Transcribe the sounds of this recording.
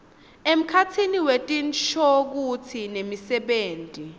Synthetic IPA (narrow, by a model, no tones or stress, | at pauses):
em̩kʰat͡sʰiniwetʼinʃʰɔk̬ut͡sʰinemisɛɓeːntʼi